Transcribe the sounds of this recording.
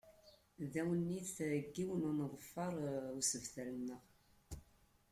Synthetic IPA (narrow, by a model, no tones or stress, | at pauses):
ðæwənːiθɡːiwənænðˤəfːɑɾˤusəvθælənːəʁ